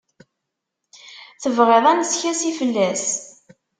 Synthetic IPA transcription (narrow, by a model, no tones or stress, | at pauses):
θəvʁeðˤænsçæsifəlːæs